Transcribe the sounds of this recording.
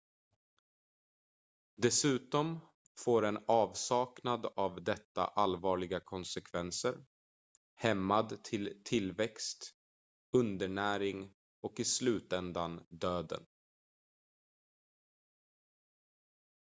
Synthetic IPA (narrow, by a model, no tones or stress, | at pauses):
d̪ɛsʉ̟ːt̪ɔm | foːɾɛnɑːvsɑːknad̪avd̪ɛt̪ːa̰ʔalvɑːɭɪɡakʰɔnsɛkʰvɛnsəɾ | hɛmːad̪t̪ʰɪlt̪ʰɪlvɛkst̪ | ɵnd̪əɳæːɾɪŋ | ɔkɪslʉ̟ːt̪ɛnd̪and̪øːd̪ə̰n